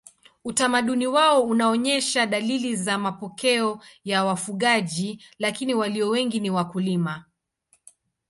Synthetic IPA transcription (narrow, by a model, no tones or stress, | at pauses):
utamaɗuniwaɔunaɔɲɛʃaɗalilizamapɔkɛɔjawafuɠaʄilakiniwaliɔwɛŋɡiniwakulima